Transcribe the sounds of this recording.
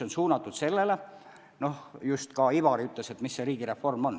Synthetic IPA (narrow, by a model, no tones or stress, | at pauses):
onsuːnɑt̪ːˑud̪̥se̞lːe̞le | no̞hjust̪kɑivɑɾiyt̪ˑle̞se̞t̪misːeɾiːɡ̥iɾe̞fo̞rmo̞n